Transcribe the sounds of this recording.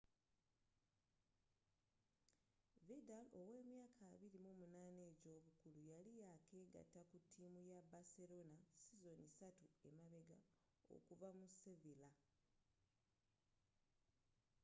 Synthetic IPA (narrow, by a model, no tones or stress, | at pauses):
vedalo̞we̞ːmjaːkʰaːβiɾimomunaːne̞ːɟo̞ːβukulujalijakʰe̞ːɡa̰tːakutʰːimujabase̞ɾo̞nasizo̞nisatue̞maβe̞ɡa̰ | o̰kuvamusevila